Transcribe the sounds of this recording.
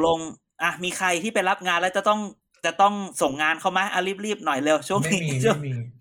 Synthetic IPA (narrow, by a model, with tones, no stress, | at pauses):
lo˧ŋ | ʔa˨˩miː˧kʰa˧jt̪ʰiː˥˩pa˧jla˦˥p̚ŋaː˧nlɛ˦˥wt͡ɕa˨˩t̪ɔ˥˩ŋ | t͡ɕa˨˩t̪ɔ˥˩ŋso˨˩ŋːaː˧nkʰa˥˩wma˧˦˥ʔa˧liː˦˥˩p̚liː˥˩p̚nɔ˨˩jleː˧wt͡ɕʰu˥˩əŋniː˦˧t͡ɕʰə